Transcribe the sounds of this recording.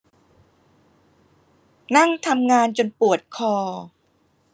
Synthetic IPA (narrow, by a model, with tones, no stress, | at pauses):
na˥˩ŋt̪ʰa˧mŋaː˧nt͡ɕo˧npu˨˩ət̪̚kʰɔː˧